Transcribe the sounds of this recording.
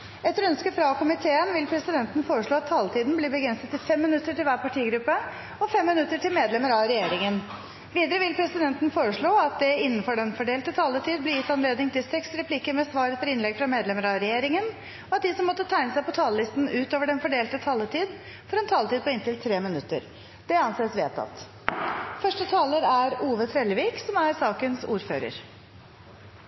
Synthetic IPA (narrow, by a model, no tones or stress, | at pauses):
ɛt̪ːəɾœnskəfɾɑkʰʊmɪt̪ʰeːənʋɪlpʰɾɛsɪd̪ɛnt̪n̩foːɾəʂɭoːɑt̪ʰːɑːlt̪ʰiːd̪n̩bliːbəɡɾɛnsət̪ːɪlfɛmːɪnʉt̪ːəʈɪlʋæːɾpɑʈʰiːɡɾʉpːə | ɔfɛmːɪnʉt̪ːəʈʰɪlmeːd̪lɛməɾɑɾɛjeːɾɪŋən | ʋiːd̪əɾəʋɪlpʰɾɛsɪd̪ɛnt̪ən̩foːɾəʂɭoːɑt̪̚d̪ɛɪnːn̩fɔɖɛnfɔɖeːlt̪ət̪ʰɑːlːət̪ʰiːd̪̚blɪjɪt̪ːɑnleːd̪nɪŋt̪ɪlsɛksɾɛpʰlikəmɛsʋɑːɾəfɔɾɪnlɛɡfɾɑmeːd̪lɛməɾɑɾɛjeːɾɪŋən | ɔɑt̪̚d̪ɪsɔmːɔt̪ːət̪ʰæɪnəsæɪpɔt̪ʰɑːləlɪst̪n̩ʉːt̪oːʋəɖɛnfɔɖeːlt̪ət̪ʰɑːlːət̪ʰiːd̪ | fɔɾɛnt̪ʰɑːlət̪iːd̪̚pʰɔɪnt̪ɪlt̪ʰɾeːmɪnʉt̪ːə̰ɾ | d̪̥ɛɑnseːəsʋeːt̪ʰɑ̰t̪ | fœʂʈət̪ʰɑːləɾæɾuːʋət̪ʰɾɛləʋiːksɔmæɾsɑːkənsṵːɾfø̰ːɾə̰ɾ